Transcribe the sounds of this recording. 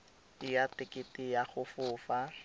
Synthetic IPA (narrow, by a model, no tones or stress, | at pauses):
ɪjatɪkʼɪtɪjaχʊfʊːfa